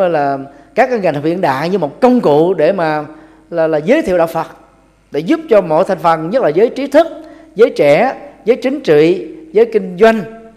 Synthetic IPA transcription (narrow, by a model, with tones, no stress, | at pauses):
laː˨˩kaː˦˥k̚ŋa˨˩ŋ˨˩wvḭ˧˨ənɗa̰ː˧˨jɲɨ˧mo˨˩t̚kə˧wŋ͡mkṵ˧˨ɗe˧˩maː˨˩ | laː˨˩laː˨˩zəː˨˦jt̪ʰi˧ə˨wɗa̰ː˧˨wfə˨˩t̚ | ɗe˧˩˦zu˦˥p̚t͡ɕɔ˧mo̰˧˨jt̪ʰa˨˩jŋ̟fə˨˩nɲə˦˥t̚laː˨˩zəː˨˦jt͡ɕi˨˦t̪ʰɨ˦˥k̚ | zəː˨˦jt͡ɕɛ˧˩zəː˨˦jt͡ɕï˨˦ŋ̟t͡ɕḭ˧˨zəː˨˦jkï˧ŋ̟zwa˧jŋ̟